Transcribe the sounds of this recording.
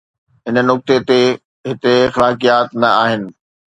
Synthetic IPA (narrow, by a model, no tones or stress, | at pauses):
ɦɪnənʊk̚t̪et̪e | ɦɪt̪exɐlaːkijaːt̪nɐaːɦɪnɪ̆